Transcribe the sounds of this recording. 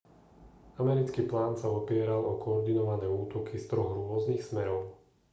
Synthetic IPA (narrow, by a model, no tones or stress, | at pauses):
amɛɾit͡skiːplaːnsaɔpɪɛɾalɔkɔːɾd̪inɔʋanɛːuːt̪ɔkʰist̪ɾɔɣɾʊɔzniːxsmɛɾɔʊ